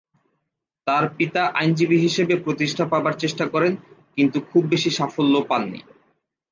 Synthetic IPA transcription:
t̪aɾpit̪aʔa̰jnd͡ʑibiɦiʃebepɾot̪iʃʈʰapabaɾt͡ɕeʃʈakɔɾenkint̪ukʰubːeʃiʃafolːopalːḭ

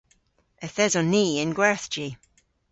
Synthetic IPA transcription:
ɛθɛzɔniːɪnɡwɛɹθd͡ʒi

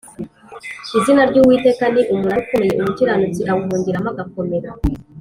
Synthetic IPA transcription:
izinaɾɟuːwiːte̞ːkaniʔumuɾaukumejeʔumutiɾanut͡siʔawuɦuːɲɟiɾamaɡako̞meɾa

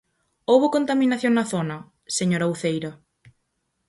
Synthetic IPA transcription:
owβʊkont̪amĩnaθjõŋnɐθonɐ | seɲoɾaowθejɾɐ

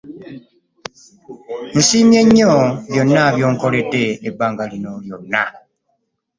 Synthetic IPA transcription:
n̩simje̞ɲːoβjo̞nːaβjo̞ːŋko̞lede̞ːbːaːŋɡalinoljo̞nːa̰

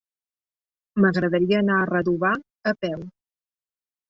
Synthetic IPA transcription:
məɣɾəðəɾiəːnaərəðuβa | əpɛw

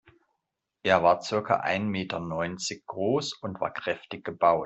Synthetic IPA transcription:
ʔeːɐvaːɐt͡sɪɐkɐ̰ʔa̰ɪnmeːtʰɐnɔʏnt͡sɪçɡ̥ʁoːsʊntv̥a̰ːɐkʁ̥ɛftɪçɡ̥əbaʊt

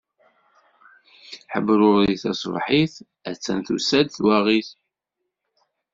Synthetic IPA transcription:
ħəbːɾʊɾðiθɑ̰sˤvħiθ | æt͡sːænθṵsæd̪θwæʁiθ

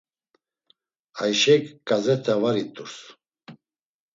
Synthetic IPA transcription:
ajʃɛkːʼazɛt̪ʰɛvaɾit̪ʼuɾs

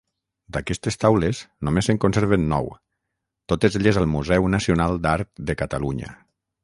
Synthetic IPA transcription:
d̪akɛst̪est̪awleznomesəŋkonseɾβenːɔ̰w | t̪ot̪ezeʎezəlˠmuzɛwnasionalˠd̪aɾt̪̚d̪əkat̪aluɲə̰

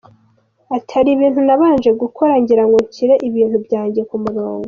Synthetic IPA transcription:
atʰaɾiβiːnhunaβaːnʒe̞ɡukʰoɾaɲɟiɾaŋɡuciɾeʔiβiːn̥hubjaːɲɟe̞kumuɾoːŋɡo

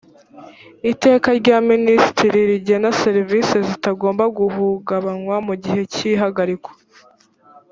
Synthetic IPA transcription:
ite̞ːkaɾɟaːministiɾiɾiɟenaseɾivisezitaɡo̞ːmbaɡuɦuɡaβanwamuɟiɦe̞ciɦaɡaɾikwo̥

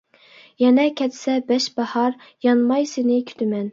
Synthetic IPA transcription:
jɛnɛkʲʰɛt̪sɛbɛʃbɑhɑɾ | jɑnmɑjsenɪkʲʰy̥t̪ʰɪmɛn

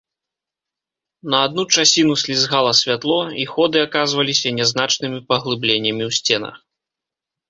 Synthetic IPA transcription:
nɐad̪̚nut͡ʂasʲinusʲlʲizɣalˠɐsʲvʲat̪lˠɔixɔd̪ɨakazvɐlʲisʲɐnʲɛznat͡ʂnɨmʲipɐɣlˠɨblʲenʲːɐmʲiwsʲt͡sʲɛnɐ̰x

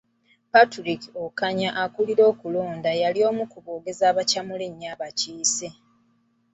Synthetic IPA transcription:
patuɾikokaɲaʔakuliɾo̞ːkulo̞ːndajalio̞ːmukuβo̞ːɡe̞zaːβacamuliɲːaβaciːse̞

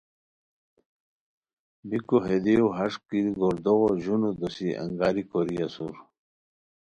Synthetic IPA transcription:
bikoɦed̪iuɦɐʂkiɾɡoɾd̪oɣoʑunud̪ɔsiʔɐ̰ŋɡaːɾikoɾijasuɾ

